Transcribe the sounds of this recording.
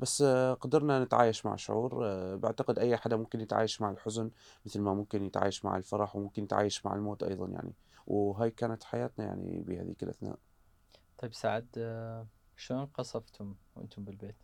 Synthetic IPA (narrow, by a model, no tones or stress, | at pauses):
basːqɑd̪ɑɾˤnanɪt̪ʕa̰ːjaʃma̰ʕʃʊ̰ʕuːɾba̰ʕt̪aqɪd̪ʔajːaħad̪amʊmkɪnjɪt̪ʕa̰ːjaʃmaʕɪlħʊzʊnmɪθlmamʊmkɪnjɪt̪ʕa̰ːjaʃma̰ʕɪ̰lfɑɾˤɑħwmʊmkɪnːɪt̪ʕa̰ːjaʃmaʕɪ̰lmoːt̪ʔɑ̰jðˤɑnja̰ʕnḭ | wɦaːjkaːnat̪ħajaːt̪naja̰ʕnḭbiha̰ːðḭːkɪlʔaθna̰ːʔ | t̪ˤɑjbsaʕɪd̪ | ʃloːnqɑsˤɑft̪hʊmwʔɪ̰nt̪ʊmbɪlbeːt̪